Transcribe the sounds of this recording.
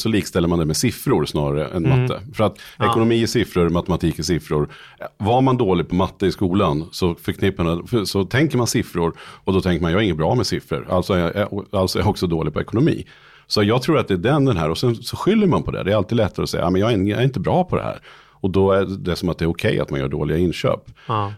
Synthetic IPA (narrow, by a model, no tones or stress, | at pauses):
sɔliːkst̪ɛlːəmand̪ɛmɛsɪfɾʊɾsnɑ̰ːɾaɾə̰ʔɛ̰nmat̪ʰːə̰fœɾat̪ɛkʊnʊmiːsɪfɾəɾmat̪ɛmat̪ʰiːkɪsɪfɾʊɾ | vaɾmand̪oːlɪɡ̚pʰɔmat̪ːəɪskuːlansɔfœɾkʰnɪpːəsɔt̪ʰɛŋkəɾmansɪfɾʊɾɔd̪ɔt̪ʰɛŋkəmanjɑhaɾɪŋːəbɾɑːmɛsɪfɾə̰ɾa̰lt̪sɔɛjʔɔalsɔɛjaɔksɔd̪oːlɪɡ̚pʰɔɛkʊnʊmḭː | sɔat̪jɑːɡ̚t̪ʰɾuːɾat̪̚d̪ɛːɖɛnd̪ɛnɦæ̰ːɾɔsɛnsɔɧʏlːəɾmanpʰɔd̪ɛ̰d̪ɛæɾalt̪id̪lɛt̪ːaɾəɔsɛj̰ːmɛnjɑɡɪnæɾɪnt̪əbɾɑːpʰɔd̪ɛ̰hæ̰ːɾ | ɔd̪ɔæd̪ɛsɔmat̪̚d̪ɛæɾʊkʰɛjːa̰t̪manjœ̰ːɖo̰ːlɪɡaɪnɕø̰ːp